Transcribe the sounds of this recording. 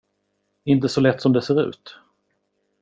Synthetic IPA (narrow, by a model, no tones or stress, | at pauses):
ɪnt̪əsɔlɛt̪ːsɔmd̪ɛseːɾʉ̟̰ːt̪